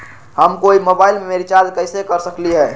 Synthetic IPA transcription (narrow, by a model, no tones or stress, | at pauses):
həmkoimobaːɪlmemeɾit͡ʃalkəɪsekəɾsəkliɦɛː